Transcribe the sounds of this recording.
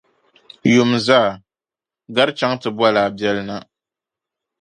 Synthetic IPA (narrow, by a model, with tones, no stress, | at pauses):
jʊ˨mzaː˦˨ | ɡa˦ɾt͡ʃa˦ŋtɨ˨ba˦laː˨bɛ˦lɨ˦na˦